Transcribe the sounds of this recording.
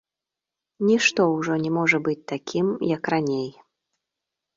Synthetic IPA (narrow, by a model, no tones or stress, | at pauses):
nʲiʂt̪ɔwʐɔnʲɛmɔʐɐbɨt͡sʲt̪akʲʰimjɐkranʲej